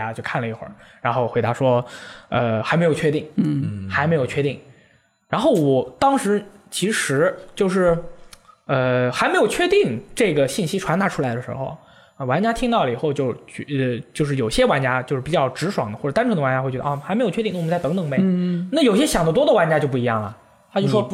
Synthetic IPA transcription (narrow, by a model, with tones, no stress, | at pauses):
a˧˥t͡ɕjo˥˧ʊkʰa˥˩nlə˩i˧˥xwə̰˞˥˩ɻa˧˥nxo˥˩ʊxwe˧˥ɪa˧˥ʂwɔ˥ə˧xa˧˥ɪe˧˥ɪjo˨˩ʊt͡ɕʰɥɛ˥t̪i˥˩ŋ̩˥˩n̩˥˩xa˧˥ɪme˧˥ɪjo˨˩t͡ɕʰɥɛ˥t̪i˥˩ŋ | ɻa˧˥nxo˥˩ʊwɔ˨˩t̪ɑ˥ŋʂɻ̩˧˥t͡ɕʰi˧˥ʂɻ̩˧˥t͡ɕjo˥˧ʊʂ̬ɻ̩˥˩ | ə˧xa˧˥ɪme˧˥jo˨˩ʊt͡ɕʰɥɛ˥˧t̪i˥˩ŋʈ͡ʂɤ˥˩ɡə˩ɕi˥˩nɕi˥ʈ͡ʂʰwa˧˥nt̪a˧˥ʈ͡ʂʰu˥la˧˥ɪd̪ə˧ʂɻ̩̰˧˥xo̰˧ʊ | ə˥˩wa˧˥nt͡ɕja˥t̪ʰi˥ŋt̪ɑ˥˩ʊlə˨i˨˩xo˥˧ʊt͡ɕjo˥˧ʊt͡ɕy˥˧˩ə˧t͡ɕjo˥˧ʊʂɻ̩˥˩jo˨˩ʊɕjɛ˥wa˧˥nt͡ɕja˥t͡ɕjo˥˧ʊʂɻ̩˥˩pi˨˩t͡ɕjɑ˥˩ʊʈ͡ʂɻ̩˧˥ʂwɑ˨˩ŋd̪ə˦xwɔ˩˨˩t̪a˥nʈ͡ʂʰŋə˧wa˧˥nt͡ɕa˧˥xe˥˩t͡ɕɥɛ˧˥ə˧ɔ˥˩xme˧˥jo˨˩t͡ɕʰɛ˥i˥˧n˥wt͡st̪ŋt̪ɤ˨˩ŋme˧˩na˥˩jo˨˩ɕjɛ˥ɕjɑ˨˩ŋd̪ɑ˥˩t̪wɔ˥d̪ə˧wa˧˥nt͡ɕja˥t͡ɕjo˥˧pu˥˩i˧˥jɑ˥˩ŋlɐ̰˩ | t̪ʰa˥t͡ɕo˥˧˩ʊ˩ʂwɔ˥